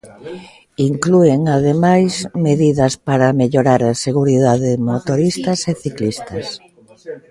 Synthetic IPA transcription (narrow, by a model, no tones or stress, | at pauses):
iŋklueŋaðemajsmeðiðɐspaɾameʎoɾaɾaseɣuɾiðaðɪmot̪oɾist̪ɐseθiklist̪ɐs